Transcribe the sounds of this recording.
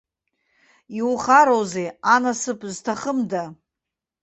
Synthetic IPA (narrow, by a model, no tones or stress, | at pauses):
iwuχaɾowzejanasɨpʼztʰaχəmda